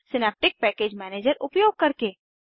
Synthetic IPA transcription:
sɪnɛːp̚ʈɪk̚pɛkeːd͡ʒmɛːneːd͡ʒəɾʊpjoːɡ̚kəɾke

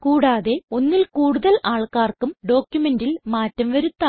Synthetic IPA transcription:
kuːɽaːðe̞o̞nːilkuːɽuðɐlaːɭkaːrkumɖo̞ːkjume̞ndilmaːtːɐmʋɐɾut̪ːa

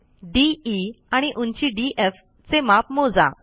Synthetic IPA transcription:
ɖiiaɽ̃iʔuɲt͡ɕiɖiʔef | t͡semapmod͡za̰

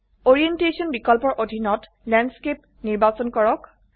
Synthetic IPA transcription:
oɹientesɔnbikɔlpɔɹʔodʱinɔt | lanɖskep | niɹbat͡sɔnkɔɹɔk

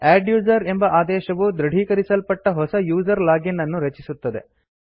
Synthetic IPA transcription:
aːɖjuːd͡ʒɐɾembɐʔaːd̪ɛːʃɐʋud̪ɾɐɽ̤ʱiːkɐɾisɐlpɐʈːɐɦɔsɐjuːzɐɾlaːɡinːɐnːuɾɐt͡ʃisut̪ːɐd̪e̞̰

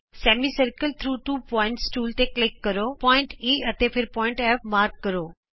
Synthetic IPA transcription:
sɛːmisɐɾkəlt̪ʰɾuːʈuːpɔ̃ːɪ̃ɳʈsʈuːlt̪eklɪkːɐɾopɔɪ̃ɳʈiːɐt̪epʰɪɾpɔːɪ̃ɳʈɛːfmaːɾkːɐɾoː

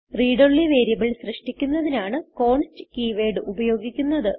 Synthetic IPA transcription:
riːɽoɭːiʋeːɾjɐmiɭsrɐʂʈikʲːunːɐðinaːɳɨko̞ːɳstɨkiːʋeːɖɨʔubɐjo̞ːɡikʲːunːɐðɨ

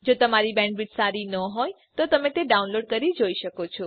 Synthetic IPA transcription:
d͡ʒot̪əmaɾibɛ̃ɳɖ̚biʈsaɾinəɦoj | t̪ot̪əmẽt̪eɖaũnloɖkəɾid͡ʒoiʃəkot͡ʃʰɔ

